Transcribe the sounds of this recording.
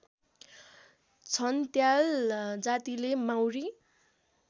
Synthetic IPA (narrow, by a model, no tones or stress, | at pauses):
t͡sʰʌnt̪jald͡zat̪ilemawri